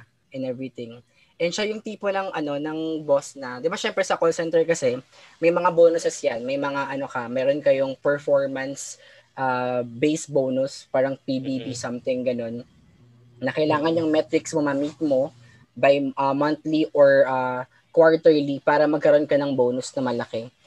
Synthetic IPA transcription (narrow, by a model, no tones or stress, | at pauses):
ʔɛnɛvɹɪt̪ɪŋ | ʔɛnʃajʊŋt̪iːponɐŋʔɐno̞nɐŋbosnɐd̪ɪbaʃɛmpɾɛsɐkolsɛnt̪ɛɹkɐsɛ | mɐjmɐŋaboːnʊsɛsjanmɐjmɐŋaʔɐno̞kɐmɛːɾonkɐjoŋpɛɹfoɹmɐns | ʔaːbejsbownuspaːɾɐŋpibibisɐmt̪ɪŋɡɐno̞nː | ɐkɐjlaːŋɐnjʊŋmɛt̪ɾɪksmomɐmit̪̚mo̞ | bɐjʔɐmɐnt̪liʔoɹʔaː | kwaɹt̪ɛɹlipaːɾɐmɐɡ̚kɐɾo̞nkɐnɐŋbownʊsnɐmɐlɐkɛ